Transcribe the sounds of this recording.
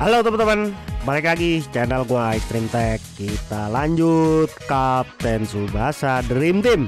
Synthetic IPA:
halot̪amat̪amanməɾekaaɡit͡ʃɛnɛlkuajst̪ɾimt̪ɛkːit̪alaɲd͡ʒut̪̚kap̚t̪ɛnsubaɦasadɾimt̪im

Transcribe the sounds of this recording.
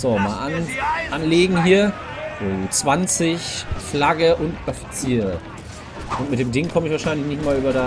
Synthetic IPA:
z̥oːmaːlʔanʔanleːɡŋ̩ɦiːɐ | oːt͡sv̥ant͡sɪçflaɡəʔʊntafi̥t͡siːʁə | ʔʊntmɪtd̥eːmdɪŋkʰɔməɪçvaɐʃaɪnlɪçnɪçtmaːlyːbɐda

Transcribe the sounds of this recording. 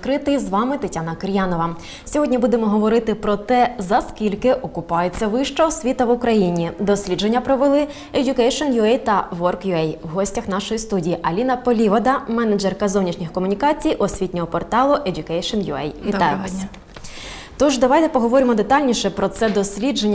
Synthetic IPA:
kɾɪt̪ɪjzʋɑmɪt̪etʲanɐkɪɾʲjɑnɔʋɐ | sʲɔɦɔdʲnʲibud̪emɔɦɔʋɔɾɪt̪ɪpɾɔt̪ɛzɐskʲilʲkɪʔɔkʊpɑjet͡sʲːɐʋɪʃt͡ʃɐɔsʲʋʲit̪ɐʋʊkɾɐjinʲid̪ɔsʲlʲid͡ʒenʲːɐpɾɔʋɪlˠɪ | edʲʊkɛjʃɔnjʊɛjt̪ɐʋɔrkjʊɛjwɦɔsʲtʲɐxn̪ɑʃɔjist̪udʲijiʔɐlʲinɐpɔlʲiʋɐd̪ɐmɛnɐd͡ʒɛrkɐzɔwnʲiʃnʲixkɔmʊnʲikɑt͡sʲijʔɔsʲʋʲit̪ʲnʲɔɦɔpɔrt̪ɑlˠʊʔedʲʊkɛjʃɔnjʊɛ̰jʋʲit̪ɑjʊʋɑsʲ | t̪ɔʒd̪ɐʋɑjt̪ɛpɔɦɔʋɔɾɪmɔd̪et̪ɑlʲnʲiʃɛpɾɔt̪sɛd̪ɔsʲlʲid͡ʒenʲː

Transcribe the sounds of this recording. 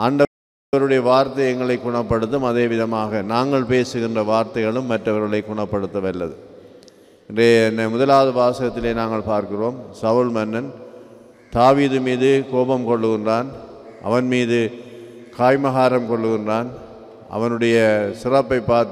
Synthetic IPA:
aːɳɖɐ | ɐɾɯɽɐjɐʋaːɾt̪ɐjɐŋɡɐɭɐɪkːʊɳɐpːɐɽɯt̪ːɯmɐðeːʋɪðɐmaːɣɐnaːŋɡɐɭpeːsɯɣɪndrɐʋaːɾt̪ɐɪɣɐɭɯmːɐʈrɐʋɐɾɣɐɭɐɪkːʊɳɐpːɐɽɯt̪ːɐʋɐlːɐðɯ | ɛndreːɛnːɐmʊðɐlaːðɐʋaːsɐɣɐt̪ːɪleːnaːŋɡɐɭpaːɾkɪroːmsɐʋɯɭmɐnːɐn | t̪aːʋiːðɯmiːðɯkoːbɐmkɔɭːɯɣɪndraːn | ʔɐ̰ʋɐnmiːðɯ | kaːjmɐɣaːɾɐmkɔɭːɯɣɪndraːn | ʔɐ̰ʋɐnɯɽɐjɐsɪrɐpːɐɪpːaːɾt̪

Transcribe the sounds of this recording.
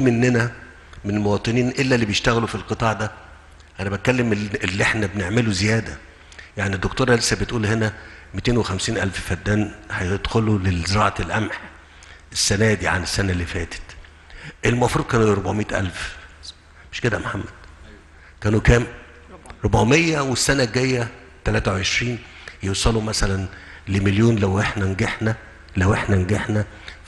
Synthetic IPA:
menːenæ | menelmowɑːt̪ˤɨniːnʔelːælːiːbejeʃt̪æɣælufilqɨt̪ˤɑːʕd̪æ | ʔænæbæt̪̚kælːemelːiʔeħnæbneʕmeluzejæːd̪æ | jaʕnid̪ːokt̪oːɾˤɑlesːæbet̪ʔuːlhenæmit̪eːnwexæmsiːnʔæ̰lffæd̪ːæːnhɑjed̪xolulezeɾˤɑ̰ːʕɑlʔæmħ | esːænæːd̪iʕa̰nesːænælːifæ̰ːt̪e̥t̪ | ʔelmoæfɾuːd̪̚ˤkæːnɾobʕomiːt̪ʔæ̰lf | meʃked̪æmħamːæd̪̥̚ | kæːnukæːm | ɾˤobʕmejːæwesːænæɡæjːæ | t̪ælæːt̪æweʕeʃɾiːn | jewsˤɑlumæsælænlemeljoːnlæwʔeħnænɡeħnæ | læwʔeħnænɡeħnæ

